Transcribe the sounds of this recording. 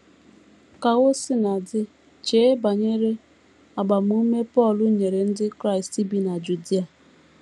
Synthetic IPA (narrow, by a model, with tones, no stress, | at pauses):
ka˨ɣo˦sɪ˦na˨dɪ˦ | t͡ʃe˦ba˨ɲe˦ɾe˦ | a˨ɡ͡ba˨m˦u˦me˦pɔ˦˨lʊ˦ɲe˨ɾe˨n̩˦dɪ˦kɾa˦˨ɪ˨sti˦bi˦na˨d͡ʒu˨di˦a˨